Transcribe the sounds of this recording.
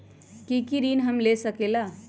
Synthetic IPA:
kikiɾinɦəmlesəkela

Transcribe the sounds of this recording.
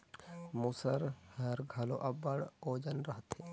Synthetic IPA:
musəɾhəɾɡʱɐlo̰ʔɐbəɽoːd͡ʒənɾəɦət̪ɦe

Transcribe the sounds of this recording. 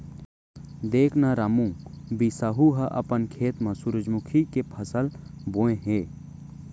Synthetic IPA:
d̪eːkʰnaɾamũbisaɦuɦəʔɐ̰pənkʰeːt̪mɐ̃suɾəd͡ʒmʊkʰikepʰəsəlbõːẽɦẽː

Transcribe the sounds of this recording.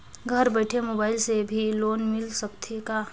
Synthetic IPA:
ɡʱɐɾbɛːʈʰemoːbaːɪlsebʱiloːnmɪlsɐkt̪ʰekaː

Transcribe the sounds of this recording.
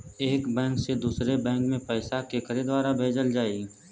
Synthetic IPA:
eːkbɛ̃ːŋksed̪uːsɾebɛ̃ːŋkmẽpɛːsakekəɾed̪waːɾabʱeːd͡ʒəld͡ʒaːiɡ

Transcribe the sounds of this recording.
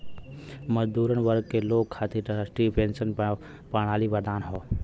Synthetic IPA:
məd͡ʒd̪uːɾənʋəɾɡ̚keloːkkʰaːt̪ʰiʈːsʈipẽːnsən | paːɽ̃aːlibəɾd̪aːnɦoː

